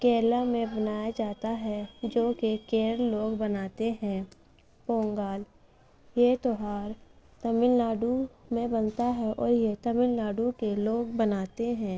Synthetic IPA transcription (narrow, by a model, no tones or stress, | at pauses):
keːlamẽbənaːjad͡ʒaːt̪aɦɛd͡ʒoːkekeːɾɾloːɡbənaːt̪eɦɛ̃ː | põːŋɡaːl | jet̪oːɦaːɾ | t̪əmɪlnaːɖumẽbənt̪aɦɛʔɔːɾjet̪əmɪlnaːɖukeloːɡbənaːt̪eɦɛ̃ː